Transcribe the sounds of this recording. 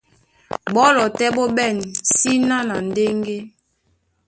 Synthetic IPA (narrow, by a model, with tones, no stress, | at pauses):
bɔ˦lɔ˨tɛ˦bɔ˦bɛ˦˨n˨si˦na˦na˨n˨de˦ŋɡe˦